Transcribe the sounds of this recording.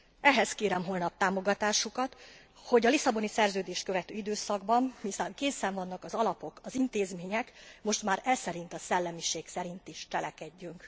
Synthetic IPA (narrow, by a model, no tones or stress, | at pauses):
ɛɦɛskeːɾɛmɦoːlnɒp̚t̪aːmo̞ɡɒt̪aːʃukɒt̪ | ho̞ɟɒlisɒbo̞nisɛrzøːd̪eːʃt̪køvɛt̪øːid̪øːsɒɡbɒmmisamkeːsɛɱvɒnːɒkɒzɒlɒpo̞kɒzint̪eːzmeːɲɛkmo̞ʃt̪maːɾɛsɛɾint̪ɒsɛlːɛmiʃeːksɛɾint̪iʃt͡ʃɛlɛkɛɟːyŋk